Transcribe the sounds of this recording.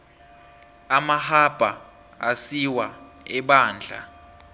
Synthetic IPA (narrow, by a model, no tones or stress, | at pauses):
amahab̥ʱa | asiwa | ɛɓaːnd͡ɮʱa̰